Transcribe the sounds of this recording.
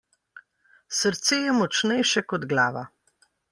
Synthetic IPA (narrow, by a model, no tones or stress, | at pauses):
səɾt̪seːjɛmɔt͡ʃnɛjʃɛkɔd̪ɡlaːʋa̰